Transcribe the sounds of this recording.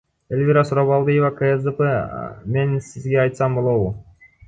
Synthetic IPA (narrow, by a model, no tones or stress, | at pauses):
elʲvʲiɾasuɾaβɑlˠd̪ɨjevakəesd̪epeme̞nsizɡe̞ɑjt̪sɑmbo̞lˠo̞wu